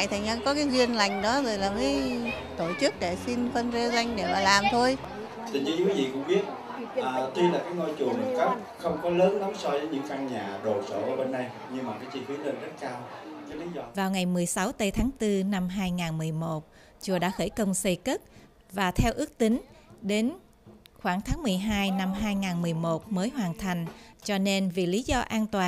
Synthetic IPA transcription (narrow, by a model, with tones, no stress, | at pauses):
jt̪ʰa˨˩ɲa˧kɔ˨˦kaː˨˦jzwi˧ənla˨˩jŋ̟ɗɔ˨˦zo˨˩jlaː˨˩məː˨˦j | t̪o˧˩t͡ɕɨ˦˥k̚ɗe˧˩si˧nfə˧nze˧za˧jŋ̟ɗe˧˩maː˨˩laː˨˩mt̪ʰo˧j | t̪ɨ˨˩ŋ̟zɨ̰˧˥˧wi˨˦vḭ˧˨kʊ̰˧˥ŋ͡mɓi˦˥ət̚ | ʔəː˨˩t̪i˧laː˨˩kaː˨˦jŋo˧jt͡ɕu˨˩əmə˨˩kə˦˥p̚ | xə˧wŋ͡mkɔ˨˦ləː˨˦nla˨˦msɔ˧vəː˨˦jɲɨ̰˧˥ŋka˧ŋɲaː˨˩ɗo˨˩tsə̰ː˧˩ʔəː˧˩ɓe˧nːa˧j | ɲɨ˧ŋmaː˨˩kaː˨˦jt͡ɕi˧fi˨˦lə˧nzə˦˥t̚kaː˧wkaː˨˦li˨˦zɔ˧vaː˨˩wŋa˨˩jmɨ˨˩əjsa˨˦wt̪ə˧jt̪ʰaː˨˦ŋt̪ɨ˧na˧mɦaː˧jŋaː˨˩nmɨ˨˩əjmo˨˩t̚ | t͡ɕu˨˩əɗa̰ː˧˥xə˧˩jkə˧wŋ͡msə˧jkə˦˥t̚ | vaː˨˩t̪ʰɛ˧wʔɨ˦˥ək̚t̪ï˨˦ŋ̟ɗe˨˦n | xwaː˧˩ŋt̪ʰaː˨˦ŋmɨ˨˩əjɦaː˧jna˧mɦaː˧jŋaː˨˩nmɨ˨˩əjmo˨˩t̚məː˨˦jɦwaː˨˩nt̪ʰa˨˩jŋ̟t͡ɕɔ˧ne˧nvḭ˨˩li˨˦zɔ˧ʔaː˧nt̪waː˨˩